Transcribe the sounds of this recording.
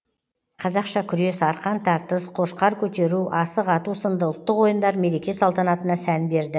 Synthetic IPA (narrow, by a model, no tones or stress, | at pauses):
qʰɑzɑqʃɑkʲʰʏɾe̞sɑɾqɑnt̪ʰɑɾt̪əsqʰo̞ʃqɑɾkʲʰɵt̪e̞ɾuʔɑsəqɑt̪usənd̪əʊlˠt̪ːəqwo̞jənd̪ɑɾme̞ɾe̞kʲe̞sɑlˠt̪ɑnɑt̪ənɑsænbe̞ɾd̪ɪ